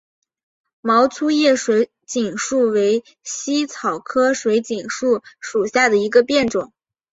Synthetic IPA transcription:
mɑ˧˥ʊt͡sʰu˥jɛ˥˩ʂwe˧˥ɪ | t͡ɕi˨˩ŋʂu˥˩we˧˥ɪ | ɕi˥t͡sʰɑ˨˩ʊkʰɤ˥ʂwe˧˥ɪt͡ɕi˨˩ŋʂu˥˩ʂu˨˩ɕja˥˩d̪ə˩i˧˥ɡə˧pjɛ˥˩nʈ͡ʂʊ˨˩˦ŋ

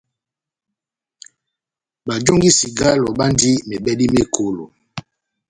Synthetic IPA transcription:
ba˨d͡ʒo˦ŋɡi˦si˨ɡa˦lɔ˨ɓa˦ndi˦me˨ɓɛ˦di˦me˦˨kʰo˨lo˨

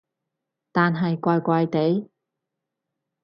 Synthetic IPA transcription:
t̪aː˨nɦɐ˨jkʷaː˧jkʷaː˧jt̪e˨˥j

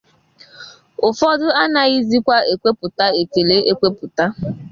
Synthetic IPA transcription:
ʊ˨fɔ˦dʊ˦a˦na˨i˦zi˦kʷa˦e˨kʷe˦pʊ˨ta˦e˨ke˨le˦ʔe˦kʷe˦pʊ˨ta˦

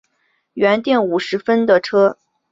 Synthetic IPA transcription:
ɥɛ˧˥nt̪jɛ˥˩nu˨˩ʂɻ̩˧˥fə˥nd̪ə˨ʈ͡ʂʰɤ˥

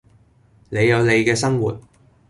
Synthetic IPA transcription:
ne˨˧jːɐ˨˧wnle˨˧jkɛː˧sɐ˥ŋwṵː˨˩t̚

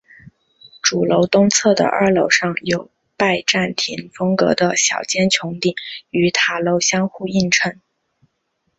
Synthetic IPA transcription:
ʈ͡ʂu˨˩lo˧˥ʊt̪ʊ˥ŋt͡sʰɤ˥˩d̪ə̰˩ʔə̰˞˥˩lo˧˥ʊʂɑ˥˩ŋjo˨˩ʊ | pa˥˧ɪʈ͡ʂa˥˩nt̪ʰi˧˥nfɤ˥ŋkɤ̰˧˥d̪ə˧ɕjɑ̰˨˩ʊt͡ɕjɛ˥nt͡ɕʰjʊ˧˥ŋt̪i˥˩ŋy˧˥t̪ʰa˨˩lo˧˥ʊɕjɑ˥ŋxu˥˧i˥˩nʈ͡ʂʰə˧˥ŋ

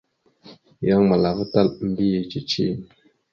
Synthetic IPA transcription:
ja˦ŋma˨la˨və˦ta˦˨lm̩˨˦bi˦je˨t͡ʃi˨t͡ʃi˦˨

